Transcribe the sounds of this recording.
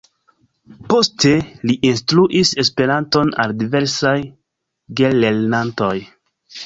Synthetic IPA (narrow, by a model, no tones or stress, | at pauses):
po̞steliʔinstɾuʔise̞spe̞ɾanto̞na̰ldive̞ɾsaj | ɡelelnanto̞j